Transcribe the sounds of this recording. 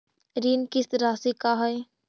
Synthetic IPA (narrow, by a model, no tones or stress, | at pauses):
ɾiːnkɪsɾaːsikaɦɛe